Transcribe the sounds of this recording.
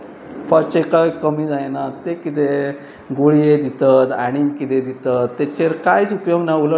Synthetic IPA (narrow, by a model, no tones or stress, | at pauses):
fəɾt͡ɕekajkəmiːd͡zajnat̪ːekit̪e | ɡoɭijed̪it̪ət̪aɽ̃imkit̪ed̪it̪ət̪ːet͡ɕeɾkajt͡supjoɡnaulə